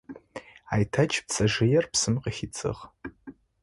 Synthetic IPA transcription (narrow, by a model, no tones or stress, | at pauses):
aːjtʰɐt͡ʃʰp̚t͡sʰʼɐʒɪjɛrpsɨmqəxit͡sʼɨ̰ʁ